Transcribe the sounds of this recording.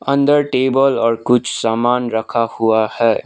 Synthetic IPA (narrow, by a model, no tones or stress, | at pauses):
ə̃nd̪əɾʈeːbəlɔːɾkʊt͡ʃʰsaːmaːnɾɐkʰahuahɛː